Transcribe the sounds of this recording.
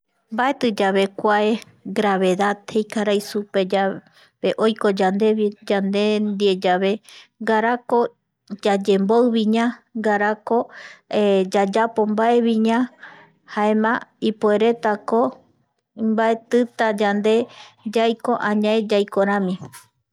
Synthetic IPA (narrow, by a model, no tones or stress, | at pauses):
mbae̞t̪ɨd͡ʒaβe̞kʷae | ɡɾaβe̞ðaðhejkaɾajsupe̞d͡ʒa | βeʔojko̞d͡ʒand̪e̞id͡ʒand̪e̞nd̪ied͡ʒaβe̞ŋɡaɾako̞ | d͡ʒad͡ʒe̞mboɨβĩɲãɡaɾako̞ed͡ʒad͡ʒapo̞mbaʔe̞βĩɲã | haẽmãipoe̞ɾe̞t̪ako | imbae̞t̪ɨt̪ad͡ʒand̪e̞d͡ʒajko̞ʔãɲãed͡ʒajkoɾ̃ãmĩ